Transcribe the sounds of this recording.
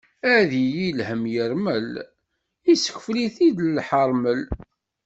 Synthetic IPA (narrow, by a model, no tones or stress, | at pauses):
æðijilhəmjəɾməl | isə̥kfliθiðːħəɾˤməl